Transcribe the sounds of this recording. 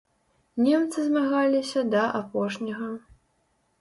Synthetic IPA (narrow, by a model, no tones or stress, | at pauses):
nʲɛmt̪sɨzmaɣalʲisʲɐd̪ɐʔapɔʂnʲɐɣɐ